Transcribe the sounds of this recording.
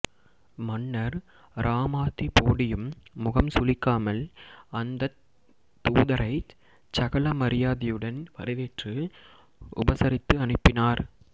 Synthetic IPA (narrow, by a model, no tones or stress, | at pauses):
mɐnːɐɾ | ɾʔaːmaːt̪ːipoːɽɪjɯmːʊɣɐmsʊlɪkːaːmɐlɐnd̪ɐ | t̪ːuːðɐɾʔɐɪ | t͡ʃɐɣɐlɐmɐɾɪjaːðɪjɯɽɐnʋɐɾɐʋeːʈrɯ | ʊ̰bɐsɐɾɪt̪ːɯɐnɪpːɪnaːɾ